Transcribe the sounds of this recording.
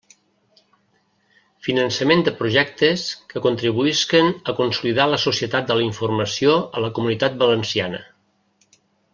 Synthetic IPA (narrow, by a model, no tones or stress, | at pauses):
finənsəmend̪əpɾuʒɛkt̪əskəkunt̪ɾiβuiskənəkunsuliðaləsusiət̪at̪̚d̪ələiɱfurməsioələkumunit̪at̪̚bələnsianə̰